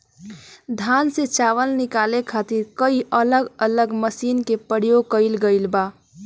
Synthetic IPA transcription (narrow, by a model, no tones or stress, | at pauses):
d̪ʱanset͡ʃaʋəlnikalekʰat̪iɾkəiʔələɡələɡməsinkepəɾjoɡ̚kəɪlɡəɪlba